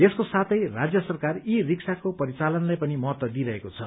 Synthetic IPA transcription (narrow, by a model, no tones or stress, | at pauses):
eskosat̪ʰʌjrad͡zjʌsʌrkaririksʰakopʌɾit͡salʌnlajpʌnimʌɦʌt̪wʌd̪iɾʌɦekot͡sʰʌ̰